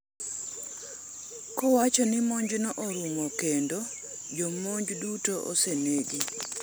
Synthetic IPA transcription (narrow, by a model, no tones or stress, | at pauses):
kɔwat͡ʃɔnɪmɔɲd͡ʒnɔʔoɾumɔkendo | d͡ʒɔmoɲd͡ʒdutoʔo̰seneɡi